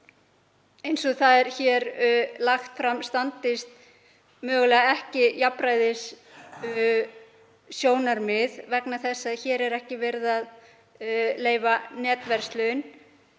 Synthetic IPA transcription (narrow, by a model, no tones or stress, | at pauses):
ejnsɔθaðɛɾ̥çɛːɾlaxt̪fɾamst̪ant̪ɪst̪ | mœːɣʏlɛːɣaɛhcɪjapɾaːjðɪs | sjoːwnaɾmɪðvɛknaθɛsːaðçɛːɾɛɾɛhcɪvɛɾðað | leːjvanɛːt̪vɛɾ̥st̪lʏn